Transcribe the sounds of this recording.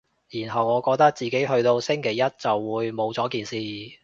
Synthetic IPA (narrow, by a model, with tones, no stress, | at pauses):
jiː˨˩nɦɐ˨wŋɔː˨˧kɔː˧k̚t̪ɐ˥k̚t͡siː˨ke˨˥jɦɵ˧ɥt̪o˧wsɪ˥ŋkʰe˨˩jɐ˥t̚t͡sɐ˨wːuː˨˧jmo˨˧wt͡sɔː˨˥kiː˨nsiː˨˧